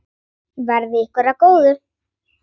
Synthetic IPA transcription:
vaɾðɪɪhkvɛɾakoːwðʏɾ̥

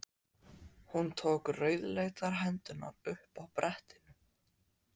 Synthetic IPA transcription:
hunt̪ʰoːkrœːɥðlejɣt̪aɾɦɛnt̪ʏna̰ʏhpawpɾʔɛht̪ɪnʏ

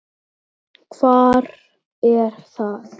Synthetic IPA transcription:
kʰv̥aːɾ | ɛɾ̥θaθ

